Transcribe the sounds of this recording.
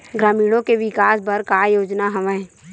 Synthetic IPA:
ɡɾaːmiːɽõkeʋɪkaːsbɐɾkaːjoːd͡ʒnaɦɐʋɛ̃

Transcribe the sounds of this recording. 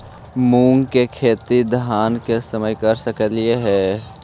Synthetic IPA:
mũːŋɡkekʰeːt̪id̪ʱɦaːnkesəməjkəɾsəkəlɪeɦɛː

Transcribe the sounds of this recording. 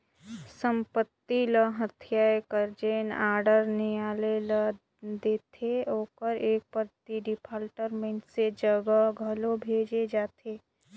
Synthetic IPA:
sə̃mpət̪ːiləɦət̪ʰijaːekəɾd͡ʒeːnaːɾɖəɾnejaːlelə | d̪eːt̪ʰeoːkəɾeːk̚pəɾt̪iɖɪpʰaːlʈəɾmẽɳʈsed͡ʒəɡəɡʱəlobʱeːd͡ʒed͡ʒaːt̪ʰeː

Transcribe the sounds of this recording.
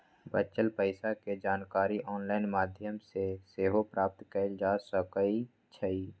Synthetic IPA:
bət͡ʃəlpəɪsaked͡ʒaːnkaːɾiʔɔːnlaːɪnmaːd̪ʱjəmseseːɦopɾaːp̚t̪kəɪld͡ʒaːsəkəi | t͡ʃʰəiː

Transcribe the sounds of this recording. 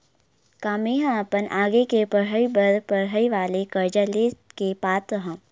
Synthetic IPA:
kaːmeɦãpənʔaːɡekepəɽɦəibəɾpəɽɦəiʋaːlekəɾd͡ʒaleːkepaːt̪əɦã

